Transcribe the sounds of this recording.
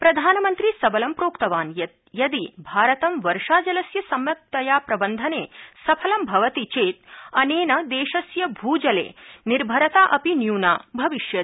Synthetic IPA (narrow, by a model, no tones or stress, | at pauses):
pɾɐd̪ʱaːnɐmɐnt̪ɾisɐbɐlɐmpɾoːkt̪ɐʋaːnjɐ | jɐd̪ibʱaːɾɐt̪ɐmʋɐɾʂaːd͡ʒɐlɐsjɐsɐmjɐk̚t̪ɐjaːpɾɐbɐnd̪ʱɐneːsɐpʰɐlɐmbʱɐʋɐt̪it͡ʃeːt̪̚ɐneːnɐd̪eːʃɐsjɐbʱuːd͡ʒɐlḛːniɾbʱɐɾɐt̪aːʔɐpinjuːnaːbʱɐʋiʃjɐ